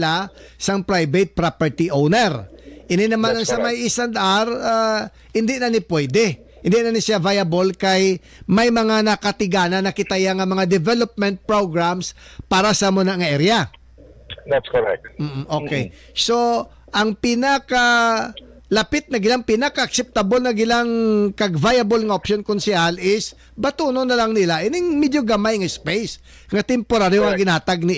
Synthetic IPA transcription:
la | sɐŋpɾajbɛt̪̚pɾapɛɹt̪iʔownɛɾʔɪnɪnɐmanɐŋsɐmajɪsand̪ʔaɾa | hɪnd̪ɪʔnɐnɪpwɛd̪ɛ | hɪnd̪iʔnɐnɪsɪavajɐbolkaj | mɐjmɐŋanɐkɐt̪ɪɡaːnɐnːɐkɪt̪ɐjaŋɐmɐŋad̪ɛvɛlop̚mɛnt̪̚pɹoɡɹamspaːɾɐsɐmʊnaŋɐʔɛɾja | d̪at̪skoɹɛ̰k̚t̪̚m̩ːʔ̩ʔo̞ːkɛj | so̞ | ʔɐŋpɪnaka | lɐpɪt̪̚nɐɡɪlaŋpɪnakɐʔɐk̚sɛp̚t̪abolnɐɡɪlaŋkɐɡvajɐbolŋɐʔopʃonkʊnsɪʔalɪs | bɐt̪uːnonɐlaŋnɪlaʔɛnɛŋmɛd̪joɡɐmajŋɐspɛjs | ŋɐt̪ɛmpoɾaɾjoɐɡɪnaːt̪ɐɡ̚nɪ

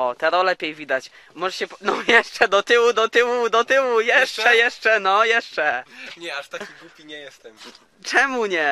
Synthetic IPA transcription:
ɔt̪ɛɾɔlɛpʲjejvʲid̪at͡ɕ | mɔʐɛɕɛpnɔjɛʂt͡ʂɛd̪ɔt̪ɘwud̪ɔt̪ɘwud̪ɔt̪ɘwujɛʂt͡ʂɛjɛʂt͡ʂɛnɔjɛʂt͡ʂɛɲɛaʂt̪akip̪ukʲiɲɛjɛst̪ɛm | t͡ʂɛmuɲɛ

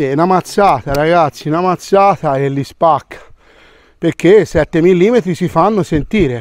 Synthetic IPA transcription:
enamat̪sːaːt̪aɾaɡat̪sːinamat̪sːaːt̪aelːispakʰːḁ | peɾkesɛt̪ːemilːiːmet̪ɾisifanːosent̪iːɾe

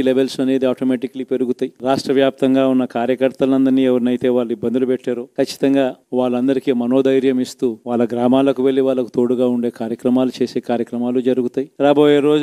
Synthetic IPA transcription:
leʋelsɐne̞ːd̪iaːʈomeːʈikːɐlipe̞ɾuɡut̪aːjiɾaːʂʈɾɐʋjaːp̚t̪ɐŋɡaːunːɐkaːɾjɐkɐɾt̪ɐlɐnd̪ɐɾniːɛʋɐɾnɐjt̪e̞ːʋaːɭːibːɐnd̪ulupɛʈːaːɾoːkɐt͡ʃːi̥t̪ɐŋɡaːʋaːɭːɐnd̪ɐɾikiːmɐno̞ːd̪ɐjɾjɐmist̪uːʋaːɭːɐɡɾaːmaːlɐkuʋe̞ɭːiʋaːɭːɐkut̪o̞ːɽuɡaːuɳɖe̞ːkaːɾjɐkɾɐmaːlut͡ʃe̞ːseːkaːɾjɐkɾɐmaːlud͡ʒɐɾuɡut̪aːjiɾaːbo̞ːjeːɾo̞ːd͡ʒ

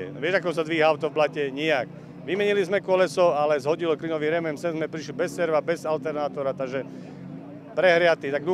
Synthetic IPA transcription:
ɛ̰ʋɪɛʒakɔs̬ad̪ʋiːɦaʊt̪ɔvblacɛɲɪak | ʋimɛɲilizmɛkɔlɛsɔalɛzɦɔɟilɔkliːnɔʋiːɾɛmɛmsɛnzmɛpɾiʃlibɛsːɛɾʋabɛzalt̪ɛɾnaːt̪ɔɾat̪aɡʒɛ | pɾɛɦɾɪat̪iːt̪aɡ̚d̪u

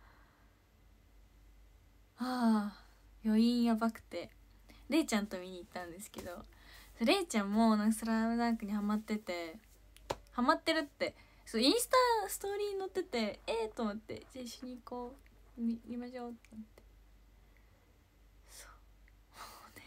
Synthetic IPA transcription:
aː | jo̞ĩɰ̃jabakɯ̟̥t̪e̞ | ɾe̞ːt͡ɕãnt̪o̞mʲiɲ̟iːt̪ːãnd̪e̞sɨ̥ke̞d̪o̞soɾe̞ːt͡ɕãmːo̞nãŋkasɨɾaɯ̟d̪ãŋkɯ̟ɲ̟ihamat̪ːe̞t̪e̞ | hamat̪ːe̞ɾɯ̟t̪ːe̞ | soĩɰ̃sɨ̥t̪asɨ̥t̪o̞ːɾʲiːɲ̟ino̞t̪ːe̞t̪e̞et̪omot̪ːe̞̰d͡ʑaiɕoɲ̟iko̞ːmʲimʲimaɕo̞ːt̪ːemot̪ːe̥ | so̥ː | one

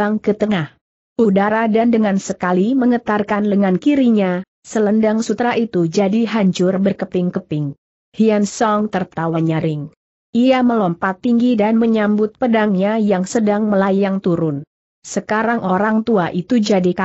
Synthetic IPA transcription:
aŋkət̪əŋah | ʔudaɾadandəŋansəkaliməŋət̪arkanləŋankiɾiɲa | sələndaŋsut̪ɾaʔit̪ud͡ʒadiɦaɲt͡ʃʊrbərkəpɪŋkəpɪŋ | hiansɔŋt̪ərt̪awaɲaɾɪŋ | ʔiaməlɔmpat̪ːiŋɡidanməɲambʊt̪̚pədaŋɲajaŋsədaŋməlajaŋt̪uɾʊn | səkaɾaŋʔoɾaŋt̪uaʔit̪ud͡ʒadika

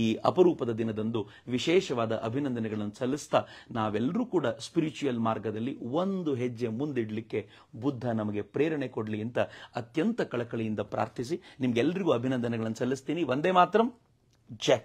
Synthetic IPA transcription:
iːʔɐ̰pɐɾuːpɐd̪ɐd̪inɐd̪ɐnd̪u | ʋiʃɛːʃɐʋaːd̪ɐʔɐbʱinɐnd̪ɐnɛɡɐɭɐnːusɐlːist̪ɐnaːʋɛlːɐɾuːkuːɽɐspiɾit͡ʃujɐlmaːɾɡɐd̪ɐlːio̞nd̪uɦed͡ʒːe̞mund̪iɽlikːe̞ | bud̪ʱːɐnɐmɐɡe̞pɾeːɾɐɳekoɽliɐnt̪ɐɐt̪jɐnt̪ɐkɐɭɐkɐɭijind̪ɐpɾa̰ːɾt̪ʰis̬inimɐɡɛlːɐɾiɡuːɐbʱinɐnd̪ɐnɛɡɐɭɐnːusɐlːist̪iːniʋond̪eːmaːt̪ɾɐm | d͡ʒe

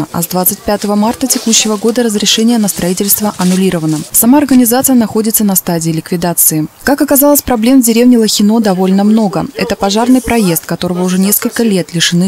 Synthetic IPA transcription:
əʔɐ̰zd̪vat̪sɨt̚ʲpʲat̪əvəmart̪ətʲɪkuɕːɪvəɡo̞d̪əɾəzɾʲɪʂɛnʲɪjənəst̪ɾɐitʲɪlʲst̪vəʔɐnʊlʲiɾəvənəsɐmaɐrɡənʲɪzat̪sɨjənɐxo̞dʲɪt̪sənɐst̪adʲɪːlʲɪkvʲɪd̪at̪sɨɪkakɐkɐzalˠəsʲpɾɐblʲe̞mzʲdʲɪɾʲe̞vnʲɪlˠəxʲɪno̞d̪ɐvo̞lʲnəmno̞ɡəɛt̪əpɐʐarnɨjpɾɐje̞st̪̚kɐt̪o̞ɾəvəʊʐɛnʲe̞skəlʲkəlʲe̞t̪lʲɪʂɨnɨ

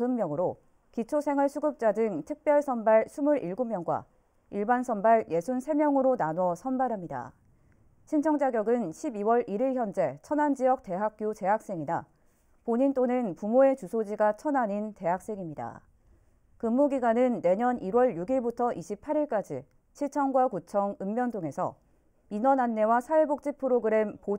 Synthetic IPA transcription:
ɦɯmːjʌŋɯɾo | kit͡ɕʰosʰe̞ŋɯɭsʰuɡɯp̚t͡ɕ͈adɯŋtʰɯk̚p͈jʌɭsʰʌnbaɭsʰumuɾiɭɡumjʌŋɡwa̰ | iɭbansʰʌnbaɭje̞sʰunsʰe̞mjʌŋɯɾonanwʌsʰʌnbaɾɦamɲida̰ | ɕʰint͡ɕʰʌŋd͡ʑaɡjʌɡɯnɕʰibiwʌɾʔiɾiɭçjʌnd͡ʑe̞t͡ɕʰʌnand͡ʑijʌk̚t͈e̞ɦak̚k͈jut͡ɕe̞ɦak̚s͈eŋida | poɲint͈onɯnpumoe̞t͡ɕusʰod͡ʑiɡat͡ɕʰʌnaɲinte̞ɦak̚s͈e̞ŋimɲida̰ | kɯmːuɡiɡwanɯnːe̞ɲʌniɾwʌɭjuɡiɭbutʰʌʔiɕʰipʰaɾiɭk͈ad͡ʑḭ | ɕʰiɭt͡ɕʰʌŋɡwakut͡ɕʰʌŋɯmːjʌntʰoŋe̞sʰʌ̰ | inʌnanːe̞wasʰaebok̚t͡ɕ͈ipʰɯɾoɡɯɾe̞mpo

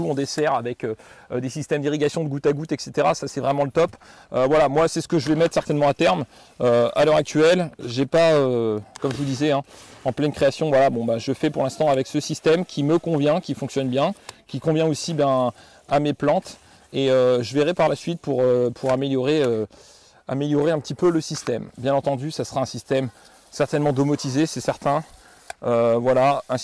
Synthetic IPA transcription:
uɔ̃d̪esɛʁavɛkød̪esist̪ɛmd̪iʁiɡasjɔ̃d̪əɡut̪aɡut̪ɛkset̪eʁasasɛvʁɛmɑ̃lət̪ɔp | øvwalamwasɛsə̥kəʒəvɛmɛt̪χsɛʁt̪ɛnmɑ̃at̪ɛʁm | øa̰lœʁak̚t̪ɥɛlʒepaøkɔmʒəvud̪izeɛ̃ɑ̃plɛnkχeasjɔ̃vwalabɔ̃baʒəfɛpuʁlɛ̃st̪ɑ̃avɛksəsist̪ɛmkʲʰiməkɔ̃vjɛ̃kʲifɔ̃ŋksjɔnbjɛ̃kʲikɔ̃vjɛ̃osibjɛ̃ | ameplɑ̃t̪ | eøʒəvɛʁɛpaʁlasɥit̪̚puʁøpʰuʁameljɔʁeø | a̰meljɔʁeɛ̃pət̪ipøləsist̪ɛmbjɛ̃nɑ̃t̪ɑ̃d̪ysasə̥ʁaɛ̃sist̪ɛm | sɛʁt̪ɛnmɑ̃d̪omɔt̪izesɛsɛʁt̪ɛ̃ | øvwalaɛ̃

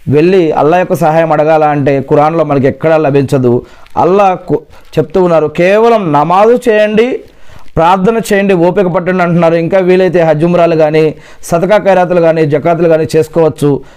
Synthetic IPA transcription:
ʋe̞ɭːiɐ̰lːaːjokːɐsɐɦaːjɐmɐɽɐɡaːlaːɐɳʈe̞ːkuɾaːnlo̞ːmɐnɐk̬uɛkːɐɽɐlɐbʱiɲt͡ʃɐd̪uɐ̰lːaː | t͡ʃe̞pu̥t̪uːunːaːɾukɛːʋɐlɐmnɐmaːd̪ut͡ʃɛːjɐɳɖi | pɾaːɾt̪ʰɐnɐt͡ʃɛːjɐɳɖioːpikɐpɐʈːɐɳɖɐɳʈunːaːɾuiŋkaːʋiːɭɐjt̪̬e̞ːɦɐd͡ʒumɾaːluɡaːniː | sɐt̪ɐkaːkɐjɾaːt̪̬uluɡaːniːd͡ʒɐkaːt̪uluɡaːniːt͡ʃe̞ːsu̥kɔːʋɐt͡ʃːu

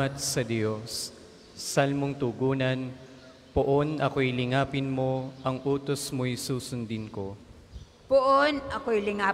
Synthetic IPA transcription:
ɐt̪̚sɐd̪josː | ɐlmoŋt̪ʊɡuːnɐn | poʔo̞nʔɐko̞jlɪŋaːpɪnmo̞ʔɐŋʔuːt̪o̞smojsuːsʊnd̪ɪnko̞ | poʔonɐkojlɪŋa

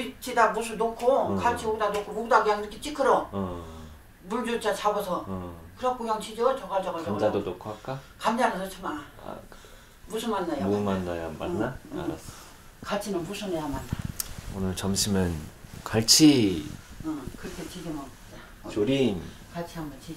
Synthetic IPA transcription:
it͡ɕʰidamus̬ʰunokʰokat͡ɕʰioɡ̚danokʰooɡ̚daɡɯjaŋdɯkʰiet͡ɕ͈ikʰɯɾʌ | muɭd͡ʑot͡ɕ͈at͡ɕʰabosʰʌkɯɾʌk͈uŋjʌŋt͡ɕʰid͡ʑʌɯt͡ɕʌɡad͡ʑʌɡad͡ʑoamaadonokʰoak͈akamd͡ʑanɯnʌt͡ɕʰʌmaaa̰ | musʰɯmanːajoumanːajama̰nːaa̰ɾa̰s͈ʌ̥ | kat͡ɕʰinɯnmusʰɯnejamanːaonɯɭt͡ɕʌmɕʰimɯnkaɭt͡ɕʰi | ɯkɯɾʌkʰet͡ɕid͡ʑʌmʌ | ta | t͡ɕoɾin | kat͡ɕʰiɦambʌnt͡ɕi

